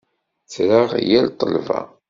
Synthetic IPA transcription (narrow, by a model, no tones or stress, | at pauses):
t͡sːɾəʁjælt̪ˤəlva̰